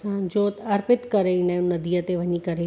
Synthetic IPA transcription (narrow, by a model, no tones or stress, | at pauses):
sãd͡ʒoːt̪ɐɾpɪt̪kɐɾeinɐ̃nɐd̪ijət̪eʋɐɲikɐɾe